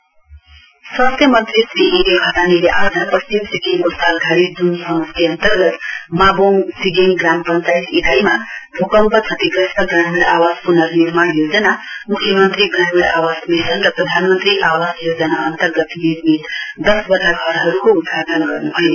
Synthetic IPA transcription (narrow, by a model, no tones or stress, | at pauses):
swast̪ʰjʌmʌnt̪risɾiiɾekʌd̪aniɾeʔad͡zʱapʌst͡ʃimsiɡeŋkosalɡʱaɽid͡zunsʌmʌst̪ʰiʌnt̪ʌrɡʌt̪maboŋsiɡeŋɡrampʌnt͡sajsitajmabʱokʌmpʌt͡sʰʌt̪ikʌsʈʌɡranmiɽawaspunʌɾniɾmaɽjod͡zʌnamukʰːjʌmʌnt̪riɡranmiɽa̰wasmesʌnrʌprʌd̪ʱanmʌnt̪riʔawasjod͡zʌnaʌnt̪ʌrɡʌt̪niɾmit̪d̪ʌsbʌaɡʱʌɾɦʌɾukoud̪ɡad̪ʌnɡʌrnuɦʌjo